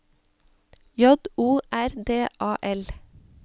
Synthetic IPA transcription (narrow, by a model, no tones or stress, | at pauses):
jɔd̪uːʔæɾd̪eːʔɑːʔɛl